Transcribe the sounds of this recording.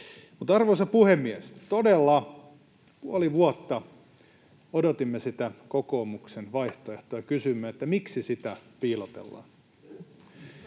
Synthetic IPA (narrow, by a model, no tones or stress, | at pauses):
mut̪ɑrʋosɑpuhemːiæest̪odelːɑ | puoliʋuot̪ːɑ | odot̪imːesit̪ækokoːmuksenʋɑiht̪oeht̪ojɑkysymːøet̪ːæmiksisit̪æpiːlot̪ḛlːɑ̰ːn